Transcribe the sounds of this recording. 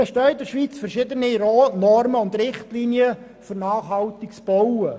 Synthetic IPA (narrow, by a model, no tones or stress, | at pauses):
ɛʃtœɥdəʃʋiːt͡sfɛɾʃɪdəniɾnɔrməʊnd̪rɪχtliːniə | fʏɾnɑːχhɑwt̪ɪkt͡sb̥ɔwə